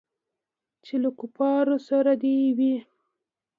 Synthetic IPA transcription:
t͡ʃelakupɑɾosaɾad̪ewi

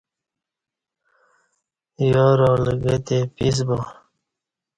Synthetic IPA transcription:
joːɾoːləɡet̪epis̬bo

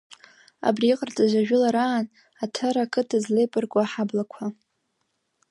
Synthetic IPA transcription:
a̰briːqʼərt͡sʼaʒʷaʒᶣʊlaɾaːn | atʰaɾakʼʰɨtʰazlejpʼɨrkʷʼaħablakʷʰa

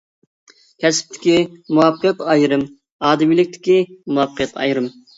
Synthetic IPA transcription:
kʲʰɛsɪ̥p̚t̪ʰɪ̥kʲimuwɑpqʰjɑt̪ɑjɾɨm | ɑːd̪ɨmilɪk̚ʲt̪ʰɪ̥kʲimuwɑpʰqʰjɑt̪ʰɑ̰jɾɨm

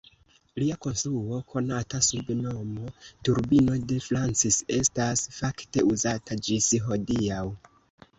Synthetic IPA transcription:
liako̞nstɾuo̞kʰo̞natasubno̞mo̞tuɾbino̞de̞fɾant͡sise̞stasfakte̞uzatad͡ʒisiɦo̞diaw

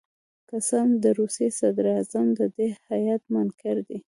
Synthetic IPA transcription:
kasɑnd̪əɾusjesad̪ɾiɑzamd̪əd̪ehajat̪mankaɾd̪i

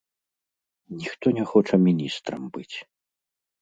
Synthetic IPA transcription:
nʲixt̪ɔnʲɛxɔt͡ʂɐmʲinʲist̪ɾɐmbɨt͡sʲ

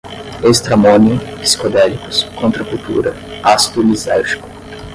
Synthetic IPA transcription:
est̪ɾamõniʊpi̥si̥kod̪ɛlikʊ̥skõnt̪ɾɐkut̪ṵɾɐ | ast̪ʊlizawʒi̥kʊ̥

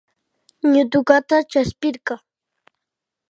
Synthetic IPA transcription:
ɲʊd̪ʊɢat̪at͡ʃaspɪɾkɑŋ

